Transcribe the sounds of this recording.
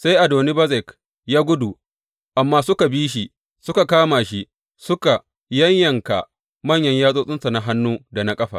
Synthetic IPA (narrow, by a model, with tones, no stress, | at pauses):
sa˦jʔa˨doː˨ni˦bɐ˦zɛ˨k | jaː˦ɡʷʊ˦du˨ | ʔa˨mːaː˦sʊ˦ka˨biː˦ʃ̬i˨ | sʊ˦ka˨kaː˦ma˨ʃi˦ | sʊ˦ka˨ | jɐ˦ɲjɐ˨ŋka̰˨ | mɐ˦˨ɲjɐ˦ɲjaː˦sʼoː˦sʼɪ˦nsa˨na˦ɦa˦nːuː˦da˨na˦kʼɐ˦ɸa̰˨